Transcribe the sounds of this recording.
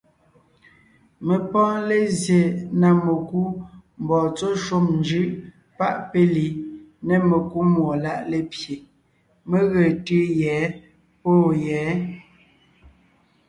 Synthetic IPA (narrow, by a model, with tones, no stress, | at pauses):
me˨pɔ̃ː˦le˦zje˨na˨me˨ku˦m˨bɔː˨t͡so˦ʃo˦mnd͡ʒʉ˦˨ʔ | pa˦ʔpe˦li˨nɛ˦me˨ku˦mwo˨la˦ʔle˦pje˨ | me˦ɣe˨tʉ˦jɛː˨˦ | po˦˨jɛː˨˦